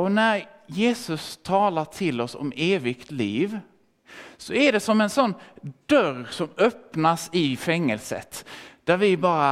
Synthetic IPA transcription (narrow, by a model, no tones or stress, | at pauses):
ɔnæɾ | jeːsɵst̪ʰɑːlaʈʰɪlːɔsɔ̰meːvɪkt̪liːv | sɔæɖɛsɔmɛnsɔnːd̪̥œɾsɔmœpnasɪfɛŋːəlsə̰t̪d̪̥æɾvɪbɑːɾa